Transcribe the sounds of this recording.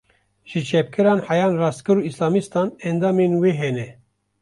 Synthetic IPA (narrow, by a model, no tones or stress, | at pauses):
ʒɨt͡ʃʰɛp̚kʰɨɾɑːnħɛjɑːnrɑːst̪kʰɨɾuːislɑːmist̪ɑːnɛnd̪ɑːmenweːɦɛnɛ